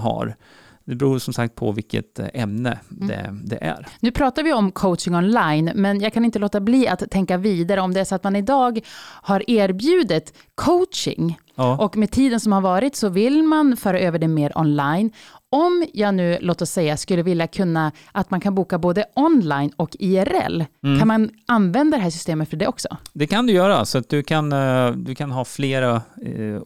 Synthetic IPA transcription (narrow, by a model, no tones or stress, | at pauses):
ɦa̰ɾ | d̪ɛbɾuːʂɔmsak̚t̪̚pʰɔ̰vɪlkːə̰t̪ɛmnə̰ɛ̰d̪ɛ̰ʔæ̰ɾnʉ̟ːpʰɾɑːt̪aɾvɪɔmkʰoʊt̪t͡ʃɪŋɔnlajnmɛnjɑːɡ̚kʰanɪnt̪əloːt̪abliːat̪ʰːɛŋkaviːd̪aɾəɔmd̪ɛæʂɔat̪manɪd̪ɑːɡhaɾʔeːɾbjʉ̟ːd̪ɪt̪ | kʰoʊt̪ʂɪ̰ŋ | ʔɔkmɛt̪ʰiːd̪ənsɔmhaɾvɑːɾɪt̪sɔvɪlmanfœːɾaʔøːvəɖɛmeːɾʔɔ̰nlajnɔmjɑːɡnʉ̟ːloːt̪ɔsːɛjːaskɵlːəvɪljakʰɵnːaʔat̪mankʰanbuːkaboːd̪əʔɔnlajnɔkiæɾɛ̰lːkʰanmananvɛnd̪ad̪ɛɦæːʂ̬ʏ̥st̪eːmət̪fœɖɛɔksɔ̰d̪ɛkʰand̪ɵjœːɾa̰sɔat̪̚d̪ɵkʰand̪ɵkʰanɦɑːfleːɾa